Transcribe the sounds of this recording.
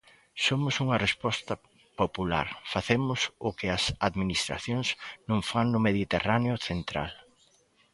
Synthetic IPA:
somʊsuŋɐrespɔst̪ɐ | popula̰ɾfaθemʊsʊkɪɐsaðminist̪ɾa̰θjõŋsnõŋfaŋnʊmeðit̪eraneʊθent̪ɾa̰l

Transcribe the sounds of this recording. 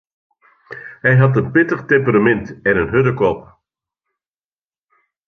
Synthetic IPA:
hɛjɦɑtənpɪtəχtɛmpəɾamɛntɛnənɦʏdəkɔp

